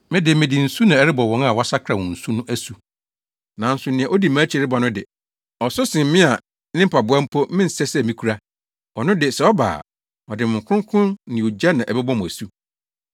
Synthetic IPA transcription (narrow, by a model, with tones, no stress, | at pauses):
mɪ̃˦dɪ˨mɪ̃˨dɪ˨n̩˨su˦nã˨ɛ˦ɾɪ˦bɔ˨wɔ̃˨˦a˨wa˦sa˦kʰɾa˨wɔ̃˨n̩˨su˦nʊ̃˦ʔæ˦su˨ | nã˨n̩˦sʊ˨nɪ̃˨ã˨ʔo˦di˨mãː˦t͡ɕʰi˨ɾɪ˦ba˨nʊ̃˦dɪ˨ | ɔ˨sʊ˦sɪ̃˨m˦mɪ̃˦a˨ | nɪ̃˦m̩˦pʰa˨bʊ˨˦a˦m̩˦pʰɔ˦mɪ̃˦n̩˨sɛ˦sɛ˦˨mĩ˦kʰu˦ɾa˦ | ɔ˨nʊ̃˦dɪ˨sɛ˨ɔ˦ba̰ː˨ | ɔ˨dɪ˨mɪ̃˨ŋ̩˨kʰʊ̃˦ŋ˦kʰʊ̃˦nnɪ̃˨o˨d͡ʑa˦nã˨ʔɛ˨bɛ˦bɔ̃˦m̃˨æ˨su˦